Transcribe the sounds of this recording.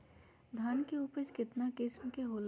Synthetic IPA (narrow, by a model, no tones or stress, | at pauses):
d̪ʱaːnkeuːpət͡ʃkɪt̪nakɪsmkeɦoːl